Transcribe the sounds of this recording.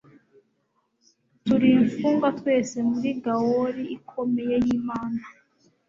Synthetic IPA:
tuɾiɱfuːŋɡatwe̞ːse̞muɾiɡawoɾiːkʰo̞me̞je̞jiːmaːna

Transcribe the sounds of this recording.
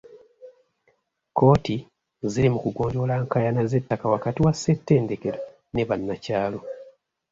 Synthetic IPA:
ko̞ːti | ziɾimukuɡo̞ːɲɟo̞laːŋkajanaze̞tːakawakatiwasːe̞tːe̞ːnde̞ke̞ɾo | ne̞βanːacaːlo̞

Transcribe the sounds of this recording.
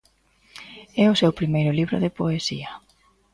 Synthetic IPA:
ɛʊsewpɾimejɾʊliβɾʊðepoesiɐ

